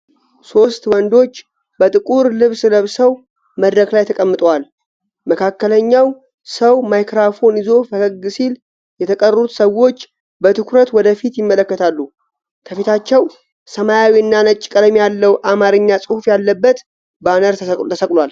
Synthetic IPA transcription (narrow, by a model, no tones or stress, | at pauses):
so̞st̪wɔnd̪o̞t͡ʃː | bət̪ʼɨkʼuɾlɨβsɨləβsəw | məd̪ɾəklajt̪ʰəkʼəmːɨt̪ʼwal | məkʰakːələɲːaw | səwmajkɾafo̞nizo̞fəkəɡɨsil | jɛt̪ʰəkʼərəut̪səwo̞t͡ʃː | bət̪ʰɨkʰɾət̪wɔd̪əfit̪jɪmːələkːət̪ʰalːu | kʰəfit̪ʰat͡ʃːɛw | səmajawiɨnːanət͡ʃʼkʼəd̪əmjalːəwʔamaɾɨɲːasʼɨhufjalːəbːət̪ | banəɾʰt̪ʰəsəkʼlal